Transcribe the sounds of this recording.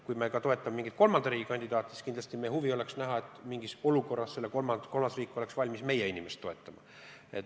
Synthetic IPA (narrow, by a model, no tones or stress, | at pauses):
kujmekɑt̪o̞e̞t̪ˑːɑmemiŋɡit̪̚ko̞lmɑnd̪ɑɾiːɡ̥ikɑnʲd̪id̪̥ɑːt̪ˑːsi̥skind̪lɑst̪imehuvio̞leksnæɦɑe̞t̪ːˑmiŋɡiso̞luko̞rːɑsse̞lːeko̞lmɑko̞lmɑsriːkːˑo̞le̞ksvɑlʲmisme̞jeinʲimest̪ːo̞e̞t̪ːˑɑmɑ̰ | et̪